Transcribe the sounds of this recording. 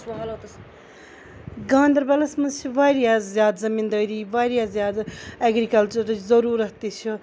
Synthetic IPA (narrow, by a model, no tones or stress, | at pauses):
sɦɐlot̪ | ɡãːnd̪ɐɾbɐlɐsmɐnzt͡ʃʰiʋaːɾjaːzzjaːd̪zɐmiːnd̪əːɾiːʋaːɾijaːzjaːd̪eɡɾikɐlt͡ʃɐɾzɐɾuːɾɐɦt̪it͡ʃʰu